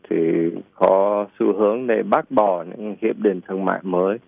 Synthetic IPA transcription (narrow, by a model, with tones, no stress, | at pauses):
t̪ʰi˨˩kɔ˨˦sɨ̰˧˩ɦɨ˨˦əŋɗe˧˩ɓaː˦˥k̚ɓɔ˧˩ɲɨ̰˧˥ŋhḭ˧˨əp̚ɗi˨˩ŋt̪ʰɨ˧əŋma̰ː˧˨jməː˨˦j